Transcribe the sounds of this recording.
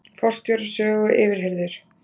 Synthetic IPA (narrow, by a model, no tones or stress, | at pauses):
fɔr̥st̪jɔɾasœːɣʏʔɪːvɪɾ̥ɦejɾðɪɾ̥